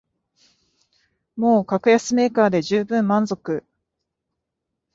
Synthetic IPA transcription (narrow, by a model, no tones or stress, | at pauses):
mo̞ːkakɯ̟jasɨme̞ːkaːd̪e̞ʑɨːbɯ̟̃mːãnzo̞kɯ̟